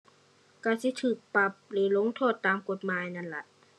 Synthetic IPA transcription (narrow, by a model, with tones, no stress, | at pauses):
ka˧˩si˧˦t̪ʰɯː˨˩k̚pa˧˩p̚lɯː˧˩lo˧˥ŋt̪ʰoː˥˩t̪ːaː˨mko˧˩t̪̚maː˧˥˨jna˧˩la˧˩t̪̚